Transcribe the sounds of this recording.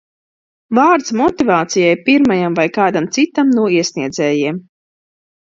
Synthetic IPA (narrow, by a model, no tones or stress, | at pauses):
vaːɾt̪smɔt̪ivaːt̪sijajpiɾmajamvajkaːd̪amt̪sit̪amnuɔiɛsniɛd̪zɛːjiɛm